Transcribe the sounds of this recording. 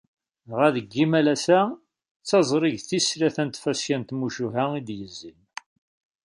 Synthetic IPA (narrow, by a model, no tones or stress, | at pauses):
ʁæðəɡːimælæsæ | t͡sːɑzˤɾˤiʝθisɾæθænt̪fæskænt̪muʃuɦæid̪jəzːin